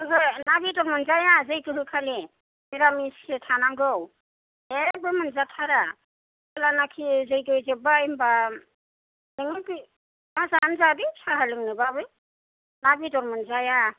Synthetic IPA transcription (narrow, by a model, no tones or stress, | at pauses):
azɯnabitɔɾmɯnzajazɯjkɯɦɯkʰali | miɾamisketʰanaŋɡɯw | ebɯmɯnzatʰaɾa | alanakʰizɯjɡɯjzebaimba | nɯŋɯkɯ | mazanzadɯsaɦalɯŋnɯbabɯ | nabitɔɾmɯnzaja